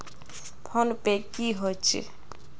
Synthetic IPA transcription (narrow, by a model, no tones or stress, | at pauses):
pʰonpekiɦot͡ʃʰḭ